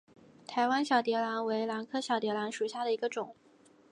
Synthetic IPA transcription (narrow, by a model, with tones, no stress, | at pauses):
t̪ʰa˧˥ɪwa˥nɕjɑ˨˩ʊt̪jɛ˧˥la˧˥nwe˧˥ɪla˧˥nkʰɤ˥ɕjɑ˨˧˩ʊt̪jɛ˧˥la˧˥nʂu˨˩ɕja˥˩d̪ə˩i˧˥ɡə˧ʈ͡ʂʊ˨˩˦ŋ